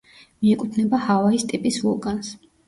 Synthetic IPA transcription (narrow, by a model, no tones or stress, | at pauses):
miɛkʼut̪ʰnɛbahavaist̪ʼipʼisvɔɡans